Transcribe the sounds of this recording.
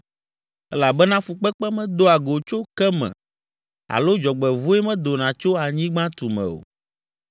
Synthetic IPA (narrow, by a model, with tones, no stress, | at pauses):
ɛ˦la˨bɛ˦nã˦fu˨k͡pɛ˦k͡pɛ˦mɛ̃˦d̪o˦a˨ɡo˨t͡ʃo˦kɛ˦mɛ̰̃˨ | a̰˨lo˦d͡ʒɔ˨ɡ͡bɛ˨vu˦ɛ˦mɛ̃˦d̪o˨nã˨t͡ʃo˦a˨ɲĩ˦ɡ͡bã˦t̪u˨mɛ̰̃˨o̰˨